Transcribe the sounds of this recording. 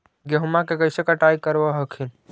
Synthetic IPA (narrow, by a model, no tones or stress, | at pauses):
ɡjeɦumakekəɪsekaʈaːjkəɾʋaɦəkʰin